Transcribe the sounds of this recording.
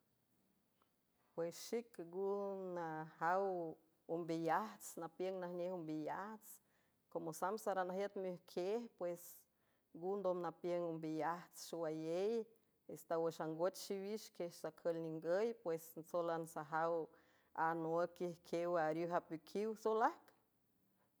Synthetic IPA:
pwesʃikɡunahaw | umbijaht͡snapjəŋnahnʲehumbijaht͡s | komosamsaɾanahjet̪muhkʰehpwes | ɡund̪omnapjəŋumbijaht͡sʃiwajej | est̪awəʃaŋɡot͡ʃʃiwiʃkehsakʰəlniŋɡəjpwesnt͡solansaɦaw | anoakihkʰewaɾjuɦapikʰiwsolahk

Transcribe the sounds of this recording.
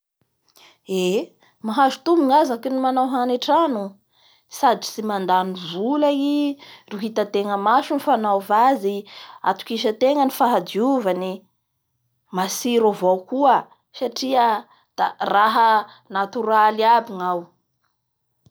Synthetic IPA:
e | maɦazu̥t̪umuŋazakinimanawɦaneʈ͡ʂanu | sad̪i̥t͡simand̪anivulairiɦit̪at̪eŋəmaʃunifanawvazia̰t̪u̥kiʃ̬ət̪eŋənifaɦad̪iuvani | masiɾovowkuə | saʈ͡ʂiə | d̪̥araɦə | nat̪uɾalabiŋaw

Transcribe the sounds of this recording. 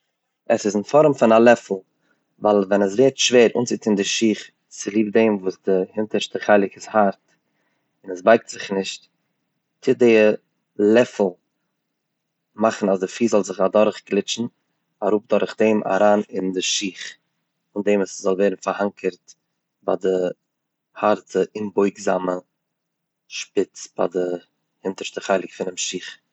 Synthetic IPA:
ɛsɪsɪnfɔɾmfɪnalˠɛfl̩ˠ | valˠvɛnəs̬veːɾtʃveːɾṵːnt͡sɪtʰɪndɪʃiːχ | t͡sɪlˠiːb̚deɪmvuːsdɪhɪntəɾʃtəχaɪlˠɪkɪshaɾt | ɪnɛsbaɪk̚tz̥ɪχnɪʃt | t͡sɪdeɪ | lˠɛfl̩ˠ | maχn̩asdɪfiːzɔlˠzɪχadɔɾχklɪt͡ʃn̩ | aɾuːp̚dɔɾχdeːmʔa̰ɾaːnɪndɪʃiːχ | ʊndemaszɔlˠvɛːɾn̩faɾhaŋkʰəɾt | ba̰dɪ | haɾtʰəʔɪnbɔɪɡzamə | ʃpɪt͡sb̥a̰dɪ | hɪntəɾʃtəχaɪlˠɪkfɪnɪmʃiːχ

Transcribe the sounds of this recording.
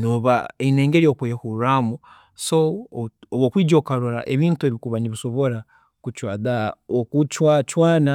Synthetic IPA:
noβaeineːŋɡeɾiokejekuɾamu | sooβwokwiːd͡ʒokaɾoɾa̰ʔeβiːntueβikuβaniβiso̞βoɾa | kut͡ʃwaːðaokut͡ʃwat͡ʃwaːna

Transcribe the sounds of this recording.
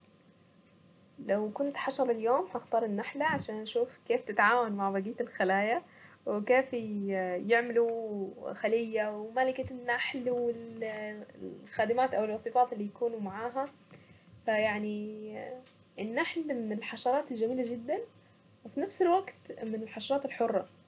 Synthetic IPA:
lawkʊnt̪ħɑʃɑɾˤɪljoːmħaxt̪ɑːɾˤɪnːaħlaʕaʃaːnʔaʃuːfkeːft̪ɪt̪ʕaːwanmaʕbaɡiːt̪ɪlxalaːja | wɪkeːf | jɪʕmɪluxalɪjːawmalɪkanːaħlwɪl | xaːd̪amaːt̪ʔawɪlwɑsˤifɑːt̪ɪlːijakuːnumaʕaːɦa | fajaʕni | ʔɪnːaħlmɪnɪlħaʃɑɾˤɑːt̪ɪlʒamiːlad͡ʒɪd̪ːan | wɪfinafsɪlwaɡt̪mɪnɪlħaʃɑɾˤɑːt̪ɪlħʊrˤːɑ̰

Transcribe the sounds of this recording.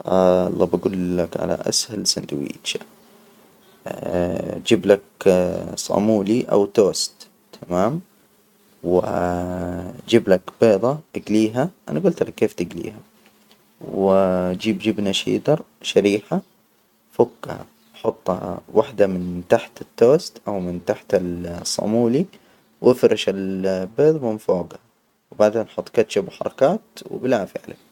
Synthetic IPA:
ɑ̰lˤːɑːbaɡuːlːakʕa̰la̰ʔa̰shalsand̪wḭːʃa | d͡ʒɪblak | sˤɑ̰muːliʔa̰wt̪oːst̪ʰː | amaːm | wɪ | d͡ʒɪblakbeːðˤɑʔaɡliːɦaʔanaɡʊlt̪lakːeːft̪ɪɡlḭːha | wd͡ʒiːbd͡ʒɪbnaʃḭːd̪ɑɾˤ | ʃaɾiːħa | fʊkːaha̰ | ħʊt̪ˤːa̰wʔaħd̪amɪnt̪aħt̪ɪt̪ːoːst̪ʔawmɪnt̪aħt̪alsˤːɑ̰muːli | wʔɪfɾɪʃalbeːðˤmɪnfoːɡa | wbaʕd̪enʔħʊt̪ˤːkat̪ʃabħɑɾˤɑkaːt̪wɪ̰blaːfɪ̰ʕla̰

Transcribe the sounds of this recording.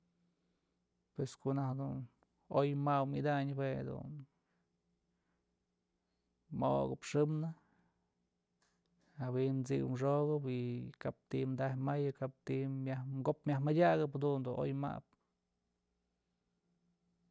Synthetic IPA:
pweskonahd̪un | ojmawmid̪aɲbwead̪ṵn | mo̰ɡɨpʂɨmnɨ | hawiʔnt͡sḭw̰mʂoɣɨpikap̚t̪imd̪ahmajɨkap̚t̪imjahmɡopmʲjahmadʲaɣɨphad̪und̪uno̰jma̰p̚

